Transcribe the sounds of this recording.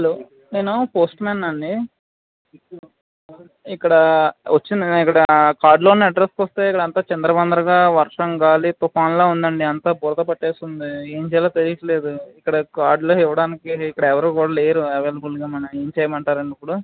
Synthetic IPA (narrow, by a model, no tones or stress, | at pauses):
hɐloː | neːnupoːsʈmɛːnːɐɳɖi | ikːɐɽɐʋʔɐt͡ʃːind̪iikːɐɽɐkaːɾɖloːniɐɖɾeskɐst̪e̞ːikːɐɽɐnt̪aːt͡ʃɐnd̪ɾɐbɐnd̪ɐɾɐɡaːʋɐɾʂɐŋɡaːlit̪ɔpaːnloːund̪ɐɳɖiɐnt̪aːbɔːɾɐd̪ɐpɐʈːeːst̪und̪ie̞ːɲt͡ʃɛːjlaːt̪eɾiɡɐt͡ʃɐle̞ːd̪uikːɐɽɐkaːɾɖlo̞ːiʋɐɽaːnikiːkːɐɽɐɛʋɐɾoːkuːɽaːleːɾuɛʋelbulɡaːmɐnɐme̞ːɲt͡ʃɛːjɐmɐɳʈaːɾɐɳɖipːuɽu